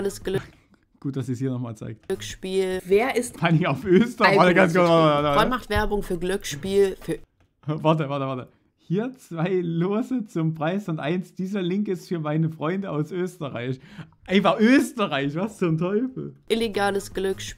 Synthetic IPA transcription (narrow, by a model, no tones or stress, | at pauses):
ləsɡ̥l | ɡ̥uːt̚d̥asiːshiːɐnɔχma̰ːlt͡sa̰ɪk̚tkʃpiːllveːɐʔɪstpʰanɪŋaʊfʔøːstəʁaɐtəɡansɡ̥vatːtvatavanmaχtv̥ɛɐbʊŋfyːɐɡlʏkʃpiːlfyːɐ | vaɐtəvaɐtəvaɐtə | hiːɐt͡sv̥aɪloːzət͡sʊmpʁ̥aɪsʊntʔaɪnsd̥iːzɐlɪŋkɪstfyːɐmaɪnəfʁ̥ɔʏndəaʊsʔøːstəʁa̰ɪçʔaɪnfaχʔøːstəʁaɪçv̥ast͡sʊntʰɔʏfl̩ʔɪleɡaːləsɡ̥lʏkʃ